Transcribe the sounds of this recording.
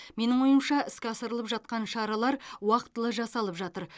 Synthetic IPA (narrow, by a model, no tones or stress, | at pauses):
me̞nɪŋwo̞jəmʃɑɪskʲɪɑsəɾəlˠəpʒɑt̪̚qɑnʃɑɾɑlˠɑɾwɑqət̪ːəlˠəʒɑsɑlˠəpʒɑt̪əɾ